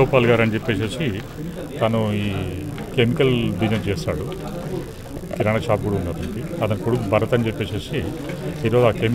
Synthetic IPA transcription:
oːpaːlɡaːɾɐnid͡ʒepːe̞ːseːsi | t̪ɐnuiː | kemikɐlbinɐd͡ʒeːsa̰ːɽu | kiɾaɳɐt͡ʃaːp̚ɡuːɽɐunːaːt̪ɐɳʈiɐt̪ɐnukuɽukubʱɐɾɐt̪ɐnid͡ʒepːeːseːsiiːɾo̞ːzuaːkem

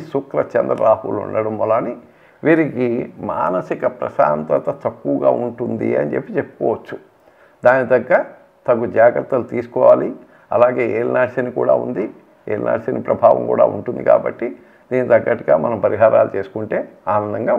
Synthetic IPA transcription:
sukɾɐt͡ʃɐnd̪ɾɐɾaːhulṵɳɖɐɽɐmːɐlaːni | ʋiːɾikima̰ːnɐsikɐpɾɐ̰ʃa̰ːnt̪ɐt̪ɐt̪ɐkːuʋɡa̰ːuɳʈund̪ḭɐ̰nid͡ʒepːit͡ʃepːu̥kɔːʋɐt͡ʃːu | d̪aːnid̪ɐɡːɐɾɐ | t̪ɐɡud͡ʒaːɡɾɐt̪ːɐlut̪iːsu̥kɔːʋaːli | ɐlaːɡe̞ːeːlnaːʃɐnikṵːɽa̰ːṵnd̪i | ḛːlnʔa̰ːʃɐnipɾɐbʱaːʋɐ̰mkṵːɽa̰ːṵɳʈund̪ḭka̰ːbɐ̰ʈːi | d̪̥iːnit̪ɐɡːɐʈiɡaːmɐnɐmpɐɾiɦaːɾaːlut͡ʃe̞ːsu̥kuɳʈe̞ːaːnɐnːɐŋɡaː

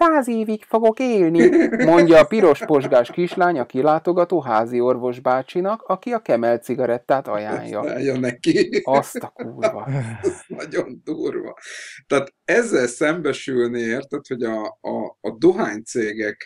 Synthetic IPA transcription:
saːzeːvikfo̞ɡo̞keːlnimo̞ɲɲɟɒːpiɾo̞ʃpo̞ʒɡaːʃkiʃlaːɲɒkilaːt̪o̞ɡɒt̪oːɦaːzio̞rvo̞ʒbaːt͡ʃinɒkɒkiɒkɛmɛlt̪siɡɒɾɛt̪ːaːt̪ɒ̰ja̰ːɲjɒ̰a̰ːjːɒnɛkiɒstt̪ɒkuːrvɒ̰nɒɟond̪uːrʋɒ̰t̪aːt̪ɛzːɛlsɛmbɛʃylniert̪ɛt̪ho̞ɟɒː | d̪oɦaːɲt̪seːɡɛk

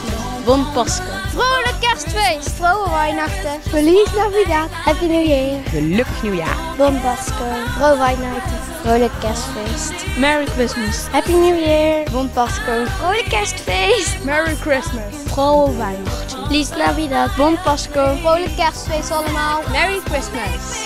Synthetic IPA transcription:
bɔntpɑskorowləkːɛʁstfejstfrowəʋajnɑxtəfəliːslavidathɛpinuwjɪːɹxəlɵkənjuja̰ːbɔnbɑskowfrowəʋɑjnɑxtə | rowləkkɛstfejstmɛɹikɹɪsməshɛpinujɪɹbɔnt̚bɑskowfʁowləkɛstfejstmɛɹikɹɪsməsfʁowvajnɑχtəplisɡlabidatbɔnt̚pɑskowfowləkɛstfejstɑləmaːlˠmɛɹikɹɪsməs

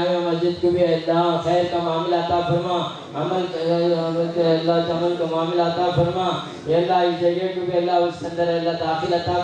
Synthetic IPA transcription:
emɐzd͡ʒɪd̪kubiɐlaxɛːɾkamaːmɪlaɐt̪aːfɐɾmãː | ɐmɐl | ɐt̪ɐlːat̪ɐmɐlkamaːmɪlaɐt̪aːfɐɾmãː | eɐlːaːizɐɽakubʱiɐlːaːɐssɐ̃nd̪ɐɾeɐlːaːt̪aːxilɐt̪a

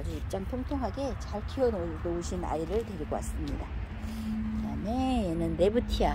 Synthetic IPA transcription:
ɾiip̚t͡ɕ͈aŋpʰoŋtʰoŋɦaɡe̞t͡ɕaɭtʰiʌnodouɕʰina̰iɾɯɭte̞ɾiɡoa̰s͈ɯmɲida | kɯɾame̞jenɯnːe̞butʰija

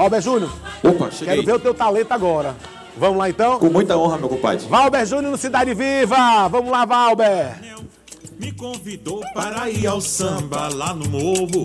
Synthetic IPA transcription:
vawbɛɾʒũnjʊopɐ̰ʃekɛɾʊveɾʊt̪ewt̪alẽt̪ʊaɡɔɾɐ | vɐ̃mʊlaẽnt̪ɐ̃w̃kõmũj̃t̪ɐõɦɐmewkõpa̰d͡ʒɪvawbɛɾʒũnjʊɾnɐsid̪ad͡ʒɪvivɐvɐ̃mʊzlavawbɛ | mɪkõvid̪opaɾaiawsɐ̃bɐlanʊnovʊ

